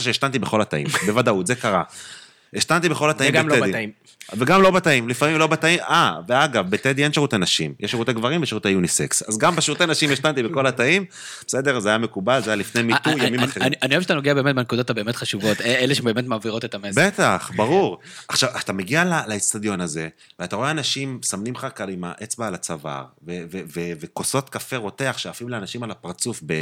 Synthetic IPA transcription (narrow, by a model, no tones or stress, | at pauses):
aʃeeʃtant̪ibeχo̞lat̪aḭmbe̞vad̪autzekaʁa | eʃt̪ant̪ibeχo̞lat̪aimedi | veɡamlo̞bat̪aimlifamimlo̞bat̪aimaveaɡavbet̪ed̪ienʃeʁut̪enaʃimjeʃeʁut̪eɡvaʁimveʃeut̪ejunisḛksa̰zɡambeʃeʁuteanaʃimjeʃtant̪ibeko̞lat̪aim | b̥esed̪e̞ʁzeajamekubalzeajalifne̞jmit̪ujamimmaχeianihoeʃat̪anoɡeabe̞ːmet̚benkud̪ot̪abe̞ːmet̪χaʃuvo̞eleʃebeːmet̪maːviʁo̞t̪et̪amebet̪aχbaʁuʁaχʃavat̪ameɡialalait͡st̪ad̪jo̞naze̞ | veat̪aʁo̞eanaʃimsamnimχakalima̰ʔet͡sbaːlat͡sava̰ʁveveveveko̞so̞t̪kafe̞ʁo̞t̪e̞aχʃeafimleanaʃimalapaʁt͡sufbe